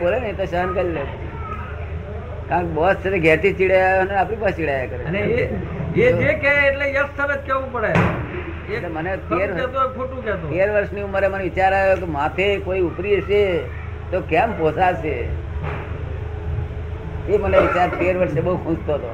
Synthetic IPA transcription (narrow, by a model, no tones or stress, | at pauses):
bolenəit̪oʃənkəlilet̪ḭ | kãkbɔot̪t͡ʃʰet̪eɡʱɛt̪ʰit͡ʃiɽajjoəneapɽipat͡ʃiɽajakəɾene | eekeːʈlejəst̪əɾət͡ʃkeʋũpəɽe | etlemənet̪eɾɛt̪oekʰoʈũkɛt̪oeɾʋəɾʃniuməɾeməneʋɪt͡ʃaɾajokemat̪ʰekoiupɾiəʃe | t̪okɛmposaʃe | eməneʋit͡ʃaɾt̪eɾʋəɾʃebəɦukʰũst̪oɦət̪o